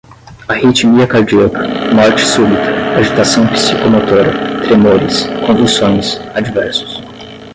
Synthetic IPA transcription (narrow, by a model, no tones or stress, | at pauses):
ahit͡ʃimiɐkaɾd͡ʒiɐkɐ̥mɔɾt͡ʃɪ̥subit̪ɐaʒit̪asɐ̃w̃pi̥sikomot̪oɾɐt̪ɾemoɾɪskõd̪isõj̃sad͡ʒivɛɾsʊ̥s